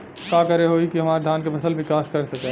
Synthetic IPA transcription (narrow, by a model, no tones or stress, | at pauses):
kaːkɐɾeɦoːikiɦɐmaːɾd̪ʱaːnkepʰɐsəlbɪkaːskɐɾsɐke